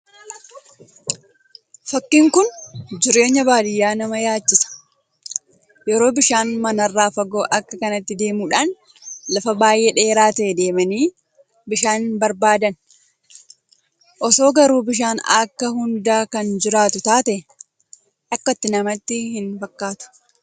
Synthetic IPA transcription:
fɐkːiːŋkʊnd͡ʒɪɾe̞ːɲːɐbaːd̪ɪjːaːnɐmɐjaːt͡ʃːɪsɐ̥ | jɛɾo̞ːbɪʃaːnmɐnɐrːaːfɐɡo̞ːʔɐkːɐkɐnɐt̪ːɪd̪e̞ːmuːᶑaːn | lɐfɐbaːjʔeːᶑe̞ːɾaːt̪ɐʔɛd̪e̞ːmɐniː | bɪʃaːnbɐɾbaːd̪ɐn | ʔɔso̞ːɡɐɾuːbɪʃ̬aːnɐkːɐɦʊnd̪aːkɐnd͡ʒɪɾaːt̪ʊt̪aːt̪ɐʔɛ | ʔɐkːɐt̪ːɪnɐmɐt̪ːɪhɪnfɐkːaːt̪ʊ̥

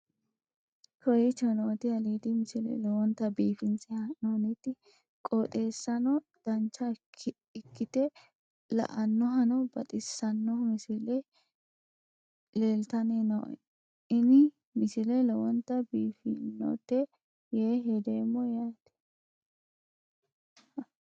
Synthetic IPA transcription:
kʰɔjɪt͡ʃɐnoːt̪ɪɐliːd̪ɪmɪsɪlɛ̰lɔwɔnt̪ːɐbiːfɪnsɛɐnonɪt̪ːɪ | kʼot̪ʼe̞ːsːɐnɔ | d̪̥ɐnt͡ʃːɐ | ɪkːɪt̪ɛ | lɐ̰ʔɐnːɔɦɐnɔbɐt̪ʼɪsːɐnːɔmɪsɪlɛ | leːlt̪ɐnenɐ̰ | ɪnɪ | mɪsɪlɛlɔwɔnt̪ːɐbiːfɪnːɔ̰t̪ːɛ | jeːɦed̪eːmːɔjat̪ɛ̥

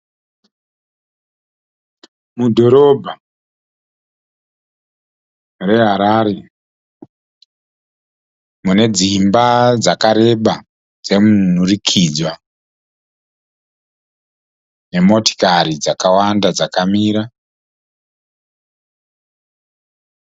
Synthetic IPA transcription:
mudʱo̞ɾoːbʱa | re̞ɦaɾaɾe | mune̞d͡zimbad͡zakaɾe̞ɓa | d͡zemun̤urikʰiːd͡zwa | ne̞mo̞ti̥kaɾid͡zakawandad͡zakamiːɾa

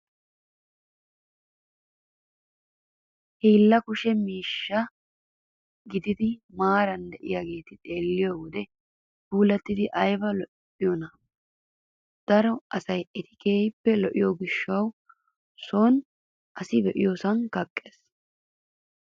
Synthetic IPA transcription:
hiːlːɐkʊʃɛmiːʃːɐ | ɡɪd̪ɪd̪ɪmaːɾɐnd̪ɛʔɪjaːɡe̞ːt̪ɪt̪ʼe̞ːlːɪjɔwɔd̪ɛ | b̥uːlɐt̪ːɪd̪ɪʔɐjbɐlɔ | ɪjɔnɐ | d̪̥ɐɾɔɐsɐjʔɛt̪ɪ̥keːjpːɛlɔʔɪjoɡɪʃːɐw | soːn | ʔɐsɪbɛʔɪjoːsɐnkɐkʼːeːs

